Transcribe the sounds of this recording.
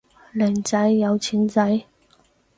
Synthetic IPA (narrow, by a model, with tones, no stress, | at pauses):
lɛː˨˩ŋt͡sɐ˨˥jːɐ˨˧wt͡sʰiː˨˥nt͡sɐ˨˧˥j